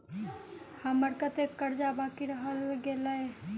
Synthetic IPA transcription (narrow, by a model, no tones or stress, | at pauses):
hɐməɾkət̪ekːəɾd͡ʒabaːkiɾəɦəlɡeːlae